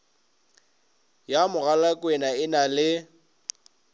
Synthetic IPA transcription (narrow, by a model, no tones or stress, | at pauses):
jamʊɣalakʼwɛnaɪnalɪ